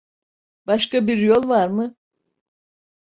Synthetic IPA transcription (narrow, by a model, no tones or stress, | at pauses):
b̥aʃkabiɾjo̞lˠvaɾmɯ